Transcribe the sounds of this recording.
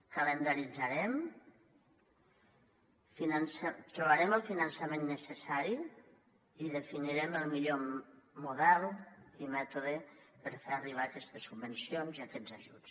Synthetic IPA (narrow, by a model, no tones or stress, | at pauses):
kəlend̪aɾid͡zaɾɛm | finansat̪ɾuβaɾɛməlˠfinənsəmenːəsesaɾi | iðefiniɾɛməlˠmiʎomuðɛlˠimɛt̪uðepəɾfeariβ̞aːkɛst̪esːubbensionziakɛd͡zaʒuts